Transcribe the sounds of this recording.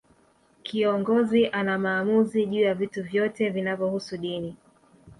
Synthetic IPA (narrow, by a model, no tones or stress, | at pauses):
kʰiɔŋɡɔziʔanamaːmuziʄuːjavituvjɔtɛvinavjɔhusuɗini